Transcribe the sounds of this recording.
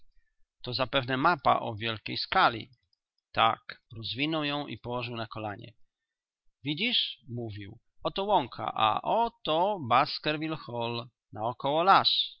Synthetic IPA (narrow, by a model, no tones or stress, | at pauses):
t̪ɔzapɛvnɛmapa̰ʔɔvʲjɛlkʲejskalʲḭ | t̪a̰kɾɔzvʲinɔwjɔ̃w̃ḭpɔwɔʐɨwnakɔlaɲɛ̰ | vʲid͡ʑiʂmuvʲiw | ɔt̪ɔwɔŋkʰa̰ʔa̰ʔɔt̪ɔbaskɛɾvʲilxɔl | naɔkɔwɔlaʂ